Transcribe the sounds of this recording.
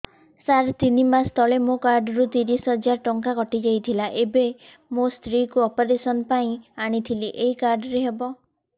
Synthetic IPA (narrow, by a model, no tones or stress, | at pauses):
saɾt̪inimast̪ʰɔɭemokaɾɖɾut̪iɾisɦɔd͡ʒaɾʈɔŋkakɔʈid͡ʒajt̪ʰilaʔebe | most̪ɾikuɔpɔɾesɔnpaĩaɽ̃it̪ʰiliʔeɦikaɾɖɾeɦebɔ